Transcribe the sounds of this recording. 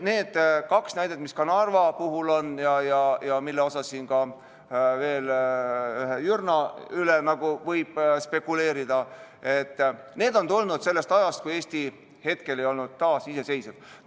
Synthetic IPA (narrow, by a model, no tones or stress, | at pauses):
ne̞ːd̪̥kɑksnæjd̪̥e̞t̪miskɑnɑrvɑpuɦulo̞njɑjɑjɑmilːeo̞sɑsːiːnɡɑ | ve̞ːl | yɦejyrnɑylenɑɡ̥uvɤjb̥spe̞kːˑule̞ːɾid̪̥ɑ | e̞t̪ːne̞ːd̪o̞nt̪olnud̪̥se̞lːe̞st̪ɑjɑst̪̚kuje̞ːsʲt̪i | he̞t̪ke̞le̞jo̞lnud̪̥̚t̪ːɑːsise̞se̞jsed̪̥̚